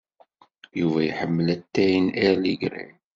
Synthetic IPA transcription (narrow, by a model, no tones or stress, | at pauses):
juvæjħəmːəlæt̪ːæjəneliɡɾḭj